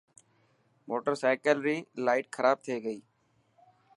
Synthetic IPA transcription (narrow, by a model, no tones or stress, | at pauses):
moːʈəɾsaːkəlɾiːlaːɪʈkʰəɾaːb̚t̪ʰeeɡəiː